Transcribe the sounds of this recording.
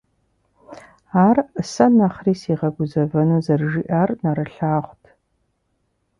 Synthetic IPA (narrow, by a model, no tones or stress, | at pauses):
aːrsɐnɐχriːsiːʁɐɡʷʊzɐvɐnuzɐrʒiːʔarnɐɾɨɬaːʁʷtʰ